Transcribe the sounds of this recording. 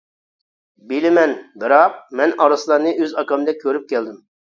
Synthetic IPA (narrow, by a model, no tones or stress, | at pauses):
bilɪmɛnbɨɾɑq̚mɛnɑɾslˠɑɾnɨʔøzɑkɑmd̪ɛkʲʰøɾyp̚kʲɛld̪ɪm